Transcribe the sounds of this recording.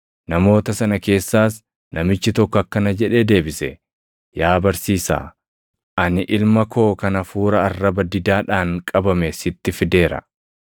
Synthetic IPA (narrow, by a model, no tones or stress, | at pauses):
nɐmo̞ːt̪ɐsɐnɐke̞ːsːaːs | nɐmɪt͡ʃːɪt̪ɔkːɔɐkːɐnɐd͡ʒɛᶑe̞ːd̪e̞ːbɪsɛ | jaːbɐɾsiːsa̰ː | ʔɐnɪʔɪlmɐkʰo̞ːkɐnɐfuːɾɐɐrːɐbɐd̪ɪd̪aːᶑaːŋkʼɐbɐmesɪt̪ːɪfɪd̪e̞ːɾɐ̰